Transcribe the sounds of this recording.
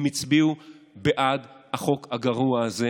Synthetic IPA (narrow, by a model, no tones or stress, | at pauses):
mit͡sbiu | beʔadhaχo̞khaɡaʁuaːze